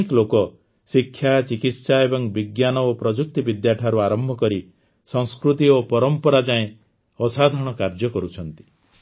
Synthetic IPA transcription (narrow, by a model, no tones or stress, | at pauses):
ikɔlokɔ | sikʰːjat͡ʃikit̪saebɔŋbiɡjanɔopɾɔd͡ʒuk̚t̪ibid̪jaʈʰaɾuaɾɔmbʱɔkɔɾi | sɔ̃ŋskɾut̪iopɔɾɔmpɔɾad͡ʒaẽ | ɔsad̪ʱɔɽ̃ɔkaɾd͡ʒɔkɔɾut͡ʃʰɔnt̪i̥